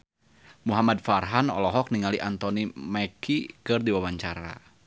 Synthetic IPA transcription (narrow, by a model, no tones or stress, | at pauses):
muɦamad̚farɦanɔ̰lɔɦɔk̚niŋaliʔant̪ɔnimɛkʰikɨrdiwawaɲt͡ʃaɾa̰